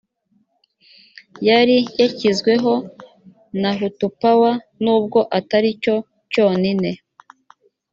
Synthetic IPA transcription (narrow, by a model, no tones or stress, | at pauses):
jaɾijacizɡwe̞ɦo̞ | naɦutupawa | nuːb̚ɡo̞ʔataɾico̞ | co̞ːnine̞